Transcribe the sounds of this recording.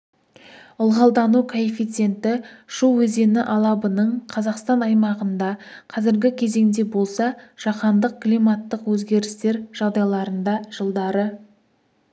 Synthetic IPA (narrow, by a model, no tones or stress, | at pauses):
ʊlˠʁɑlˠd̪ɑnukʰoefijt̪se̞nt̪ɪʃuwɵze̞nɪʔɑlˠɑbənəɴqʰɑzɑqst̪ɑnɑjmɑʁənd̪ɑqʰɑzɪɾɡʲɪkʲʰe̞ze̞ŋd̪e̞bolˠsɑʒ̥ɑqɑnd̪əq̚klijmɑt̪ːəqwɵzɡʲe̞ɾɪst̪e̞ɾʒ̥ɑʁd̪ɑjlˠɑɾənd̪ɑʒ̥əlˠd̪ɑɾə